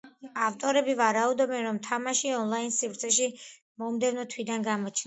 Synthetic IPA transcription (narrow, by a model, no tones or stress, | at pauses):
aft̪ʼɔɾɛbivaɾaud̪ɔbɛnɾɔmt̪ʰamaʃiɔnlˠainsipɾt̪sʰɛʃi | mɔmd̪ɛvnɔt̪ʰwid̪anɡamɔt͡ʃʰn